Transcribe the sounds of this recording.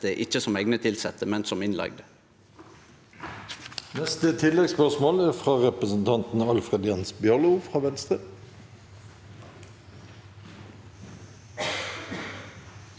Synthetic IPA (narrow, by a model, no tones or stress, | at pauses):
əʔɪçəsɔmɛɪɡnət̪ʰɪlsɛt̪əmɛnsɔmɪnlɑ̰ɡ̚d̪ə | nɛst̪ət̪ʰɪlɛɡspœʁsmoːlæːfʁɑːʁɛpʁəsn̩t̪ʰɑnt̪n̩ɑlfʁeːd̪jɛnsbjœʁlʊfʁɑːʋɛnst̪ʁə